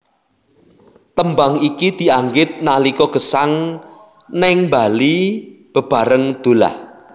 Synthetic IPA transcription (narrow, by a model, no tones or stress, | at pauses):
t̪əmbaŋikid̪̥i̤aŋɡɪt̪̚nalikɔɡ̥ə̤saŋ | nɪŋmbalib̥ə̤b̥a̤ɾəŋd̪̥o̤la̰h